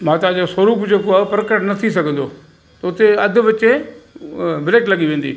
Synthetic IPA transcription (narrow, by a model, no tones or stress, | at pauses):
mãːt̪ɐãd͡ʑosɐɾuːpd͡ʑeːkoaːpɾəkəʈnɐt̪ʰisɐɡʱə̃n̆d̪o | t̪ɐʊt̪eɐd̪ʱʊ̆ʋɐt͡ɕẽ | bɪɾeːʈlɐɠiʋẽːnd̪ḭː